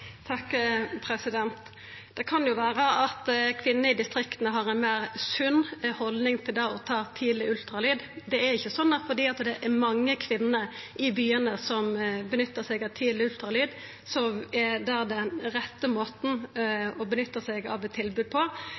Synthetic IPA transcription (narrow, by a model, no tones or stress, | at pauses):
t̪ʰɑkːpʰɾɛsɪd̪ɛnt̪ | d̪̥ɛkʰɑnjʊʋæːɾəʔɑt̪kʰʋɪnːəɪd̪ɪst̪ɾɪkt̪ənəɦɑʁɛnmæɪʁsʉnːhɔld̪nɪŋt̪ʰɪld̪ɑɔt̪ʰɑːt̪ʰiːd̪lɪʉlt̪ɾɑlyːd̪d̪ɛæɾɪçːəsɔnːəfɔd̪iːɑt̪d̪ɛʔæɾmɑŋːəkʰʋɪnːəʔɪbyːənəsɔmbənʏt̪ːəsɛɡɑʋt̪ʰiːd̪lɪʉlt̪ɾɑlyːd̪ | sɔmɛd̪æːd̪ɛnɾɛt̪ːəmoːt̪n̩ɔbənʏt̪ːəsɛɡɑ̰ʋɛt̪ʰːɪlbʉːd̪̚pʰɔ